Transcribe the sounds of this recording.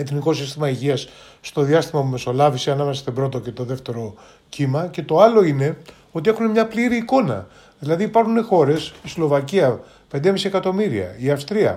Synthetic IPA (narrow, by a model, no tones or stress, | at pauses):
e̞θniko̞sist̪imɐiʝiɐs | st̪o̞ðiɐst̪imɐpume̞so̞lɐvisiɐnɐmesɐ̥st̪obɾo̞t̪o̞ce̞t̪o̞ðe̞ft̪e̞ɾo̞ | cimɐce̞t̪o̞ɐlo̞ine̞ | o̞t̪ie̞xune̞mɲɐpliɾiːko̞nɐ̰ | ðilɐðiːpɐɾxune̞xo̞ɾe̞sislo̞vɐciɐ | pe̞nd̪emisie̞kɐt̪o̞miɾiɐ̰iɐfst̪ɾiɐ̰